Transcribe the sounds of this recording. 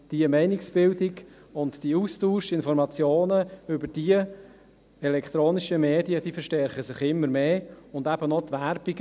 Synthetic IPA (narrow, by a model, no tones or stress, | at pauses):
d̥iəmɛɪnɪksb̥ɪldɪɡ | ʊntd̥iuːstuːʃɪnfɔɾmɑt͡sjoːnəʏbəɾd̥iə | ɛlɛkʰt̪ɾoːnɪʃəmeːdiəd̥iːfəʃtɛɾχəsɪχɪmːəɾmeːʊndæbənɔt̪ʋæɾb̥iɡ